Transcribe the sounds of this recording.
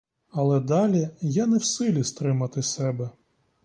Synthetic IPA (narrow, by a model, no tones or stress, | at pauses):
ɐlˠɛd̪ɑlʲijanɛwsɪlʲist̪ɾɪmɐt̪ɪsɛbɛ